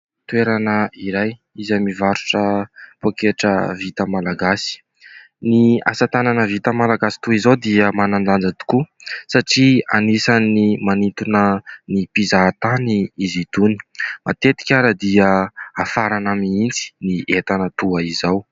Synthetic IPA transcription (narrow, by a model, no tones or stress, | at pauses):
t̪ueɾanəiɾaj | izamivaɾu̥ʈ͡ʂəpokeʈ͡ʂəvit̪əmalaɡasi̥ | nia̰sat̪ananəvit̪əmalaɡasi̥t̪uizowd̪iəmananɖ͡ʐ̪and͡zad̪u̥kusaʈ͡ʂia̰nisanimanit̪unənipizat̪aniizid̪uni̥mʔat̪et̪i̥kʲaɾəd̪iəafaɾanamiint͡si̥niʔet̪anət̪uaizaw